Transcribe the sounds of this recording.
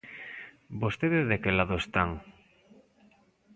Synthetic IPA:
bost̪eðezðekelaðoest̪aŋ

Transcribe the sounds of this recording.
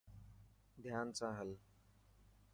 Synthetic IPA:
d̪ʱjaːnsãːɦəl

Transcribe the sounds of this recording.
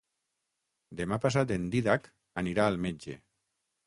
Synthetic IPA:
d̪emapas̬at̪end̪iðak | aniɾaːlmed͡ʒḛ

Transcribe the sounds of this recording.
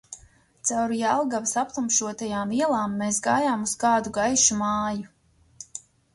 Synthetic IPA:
t̪sawɾjalˠɡavsap̚t̪umʃuɔt̪ajaːmiɛlˠaːmːeːs̬ɡaːjaːmuskaːd̪uɡajʃumaːju

